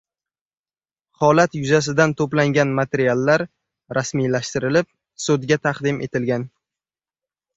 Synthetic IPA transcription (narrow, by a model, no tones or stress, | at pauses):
hɒlat̪jʊzas̬ɪd̪ant̪ʰoplaŋɡʲanmat̪ʰeɾialˠːaɾ | ɾasmijlaʃt̪ɪɾɪlɪp̚ | sod̪ɡʲat̪ʰaqd̪ɪmʔe̞̰t̪ʰɪlɡʲan